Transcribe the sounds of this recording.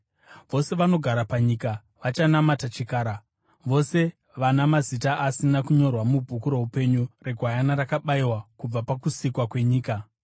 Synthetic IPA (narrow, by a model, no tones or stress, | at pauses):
ʋo̞se̞ʋano̞ɡʱaɾapaɲiːka | ʋat͡ʃanamatat͡ʃikaːɾa | ʋo̞se̞ | ʋanamazitaʔasinakuɲo̞rwamubʱukuɾo̞ɦupe̞ɲure̞ɡʱwajanaɾakaɓaiwakub͡vapakusikwakwe̞ɲiːka